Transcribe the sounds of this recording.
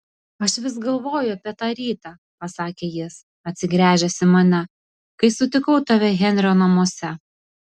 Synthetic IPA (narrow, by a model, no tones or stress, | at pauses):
ɐʃʋʲɪsɡɐlˠʋoːjʊɐpʲiɛt̪ɑːɾʲiːt̪ɑː | pɐsɑːkʲeːjɪs | ɐt̪ʲsʲɪɡɾʲæːʒʲɛsʲɪmɐnʲɛ | kɐɪsʊt̪ʲɪkɐʊt̪ɐʋʲɛɣʲɛnʲɾʲoːnɐmoɔsʲɛ